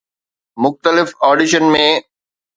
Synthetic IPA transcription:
mʊxt̪əlɪfɔːɖɪʃənmẽ

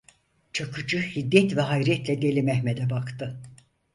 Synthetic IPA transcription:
t͡ʃʰakʰɯd͡ʒɯhid̪jɛt̪vɛɦajɾɛt̪lʲɛɟe̞lʲimɛhmed̪ɛbakt̪ʰɯ

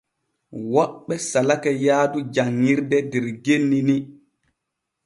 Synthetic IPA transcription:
waɓːɛsalakajaːdud͡ʒaŋːiɾdɛdɛɾɡenːini

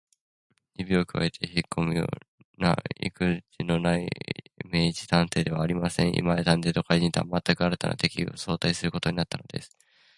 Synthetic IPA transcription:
dibʲio̞ːkɯ̟βa̰et̪ʰe̞çikʰːo̞mɯ̟jo̰ː | na̰ḭkɯ̟d͡ʑino̞naimeːt͡ɕi̥t̪ãñt̪e̞ːd̪e̞βaːɾʲimasẽɰ̃ʔḭmajat̪ãnd̪e̞ːt̪o̞kaiʑĩɲt̪eβamat̪ːakɯ̟aɾɯt̪a̰na̰t̪e̞kʲio̰so̞ːt̪aisɨɾɯko̞t̪oɲ̟inat̪ːanod̪e̞̰sɨ̥

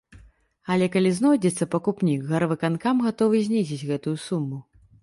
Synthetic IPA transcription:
ɐlʲɛkalʲiznɔjd͡zʲɛt̪sːɐpɐkupnʲikɣɐɾvɨkankamɣat̪ɔvɨzʲnʲizʲit͡sʲɣɛt̪ujusumːu

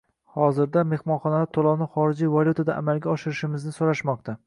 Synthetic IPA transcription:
hɒzɪɾd̪ame̞hmɒnχɒnalaɾt̪ʰolˠɒwnɪχɒɾɪd͡ʒijvalʲjut̪ʰad̪aʔa̰malɡʲaɒʃɪɾɪʃɪmɪznɪsoɾaʃmɒq̚t̪ʰa

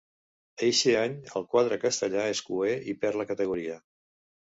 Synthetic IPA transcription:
ejʃeaɲəlˠkwaðɾəkəst̪əʎaeskueipɛɾləkət̪əɣ̞uɾiə

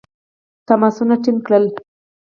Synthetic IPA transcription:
t̪amasunaʈinkɽəl

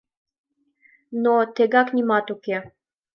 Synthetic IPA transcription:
nɔt̪ʰɛɡaknʲimat̪ukɛ

